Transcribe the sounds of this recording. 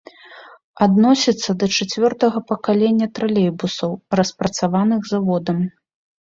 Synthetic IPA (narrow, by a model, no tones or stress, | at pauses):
ad̪nɔsʲit̪sːɐd̪ɐt͡ʂat͡sʲvʲɔrt̪ɐɣɐpɐkalʲɛnʲːɐt̪ɾalʲɛjbusɐwrɐspɾɐt̪savanɨɣzavɔd̪ɐm